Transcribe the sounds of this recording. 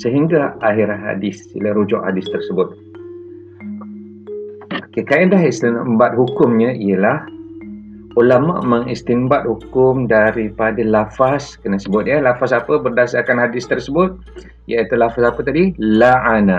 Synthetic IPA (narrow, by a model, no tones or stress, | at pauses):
səɦiŋɡaaɦiɾahɦa̰dɪsḭlaɾud͡ʒɔ̰ʔhadɪst̪ərsəbʊt̪̚ | okekaandaɦist̪inmbat̪̚ɦukʊmɲə̃ijəlah | ulamã̰ʔməŋist̪imbat̪̚hukʊmdaɾipadalafaskənasəbʊt̪̚jəlafasapəbərdasarkanɦadɪst̪ərsəbʊt̪̚ | jait̪ulafasapət̪adilaʔana